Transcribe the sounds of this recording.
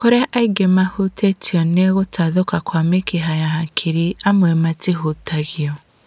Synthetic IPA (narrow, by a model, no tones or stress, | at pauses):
koɾeʔaiɡemahutʰetiɔneɣotʰaðokakwamekeɦajahakʰiɾiamwɛmatiɦutaɣiɔ